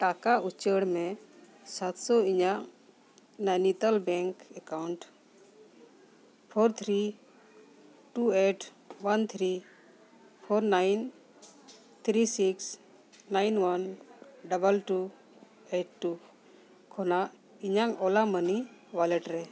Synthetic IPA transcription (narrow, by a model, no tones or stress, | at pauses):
ʈakaʔut͡ʃəɽmɛ̃ | sat̪sɔiɲaʔ | nanit̪albɛŋkɛkawɳʈ | pʰɔɾt̪ʰɾi | ʈueʈ | want̪ʰɾi | pʰɔɾnajn | t̪ʰɾisiks | najnwanɖəbəlʈu | eʈ̚ʈːu | kʰɔnaʔ | iɲaŋɔlaməniwalɛʈɾɛ